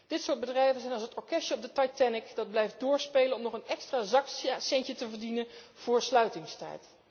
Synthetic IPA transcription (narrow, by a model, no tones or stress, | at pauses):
d̥ɪtsʊːɹd̚bədrɛjvənzɛjnɑlˠsətɔɹkɛʃəɔb̚dətɑjtɛnɪkdɑd̚blɛjf̚dʊːɹspejlənɔmnɔχənɛkstraːzɑksɛɲcətəvəɹdinən | v̥ʊːɹslœɥtɪŋstɛ̰jt